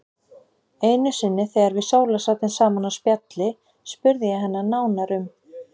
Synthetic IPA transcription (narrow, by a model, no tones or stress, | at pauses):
ejnʏsɪnːɪθeɣaɾvɪðsoːwlasaːt̪ɪnsaːmanaspjat̪lɪ | spʏɾðɪjɛɦanːanaːwnaɾʏm